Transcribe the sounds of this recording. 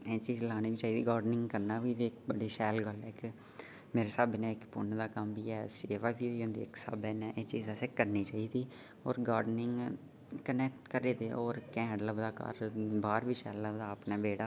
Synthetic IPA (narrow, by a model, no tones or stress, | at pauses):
eːt͡ʃiːzlaːñiːʋiːt͡ʃaːiːd̪iːɡaːɾɖnɪ̃ŋɡkəɾnaːʋiːʋiːɪk̚bəɽiːʃɛːlɡəlɛːk | meːɾeːsəbnɛ̃ːɪkpʊ̰ɳd̪aːkəmʋiːɛːseːʋaːʋiːɦoiːɦʊ̃nd̪ḭːɪksə̰bɛnɛ̃ːʔeːt͡ʃiːzɛseːkəɾniːt͡ʃaːiːd̪iː | ɔːɾɡaːɾɖnɪŋɡ | kənɛkʈkəɾeːd̪eːʔɔːɾkɛ̃ːɖləbd̪aːkə̰ɾbaːɾʋiːʃɛːlləʋd̪aːəpnaːbeːɽaː